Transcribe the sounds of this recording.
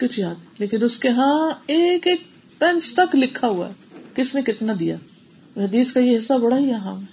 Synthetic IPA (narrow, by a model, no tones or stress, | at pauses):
kʊt͡ʃʰiaːt̪leːkɪnʊskeɦãeːkeːk̚ | pɛ̃nst̪ɐklɪkʰːaɦua̰ɛ | kɪt͡ʃʰnẽkɪt̪nad̪ija̰ː | ɦɐd̪iːskajeɦɪsːabɐɽaɦiɦɛɦãːm